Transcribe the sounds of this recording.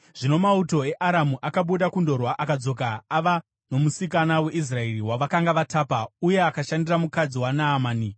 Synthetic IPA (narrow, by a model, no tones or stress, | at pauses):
ʐ̥ino̞mauto̞e̞ʔaɾamuʔakaɓuɗakundo̞rwaʔakad͡zo̞k̬aːʋa | no̞musikanawe̞ʔis̬rae̞riwaʋakaŋɡaʋataːpauje̞akaʃandiramukad͡ziwanaːmaːni